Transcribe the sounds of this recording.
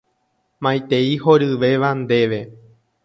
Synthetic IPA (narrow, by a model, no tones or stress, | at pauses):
mãjt̪e̞ihoɾɨʋe̞ʋand̪e̞ʋe̞